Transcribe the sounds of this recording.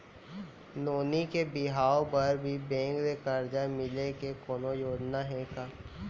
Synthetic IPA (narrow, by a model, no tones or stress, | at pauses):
noːnikebɪɦaːopɐɾbʱibɛ̃ːŋɡɾekəɾd͡ʒamɪlekekoːnojoːd͡ʒnaɦɛ̃kaː